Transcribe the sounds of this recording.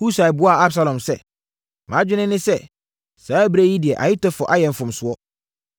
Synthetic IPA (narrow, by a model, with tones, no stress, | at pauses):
hu˦sa˨bʊ˨˦a˦˨a˦bsa˦lɔ̃˨msɛ˦ | mãː˨˦d͡ʑᶣɪ˦nɪ̃˦nɪ̃˦sɛ˦ | saː˨˦bɾe˦ji˦dɪ˨ɛ˨ʔa̰˨jɪ˦tɔ˦fɔ˨ʔa˦jɛ̃˨m̩˨fʊ̃˨m˨sʊ˦ɔ˦